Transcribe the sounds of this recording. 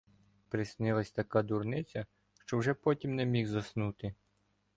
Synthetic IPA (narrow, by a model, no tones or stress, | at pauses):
pɾɪsnɪlˠɐsʲt̪ɐkad̪urnɪt͡sʲɐ | ʃt͡ʃɔwʒɛpɔtʲimnɛmʲixzɐsnut̪ɪ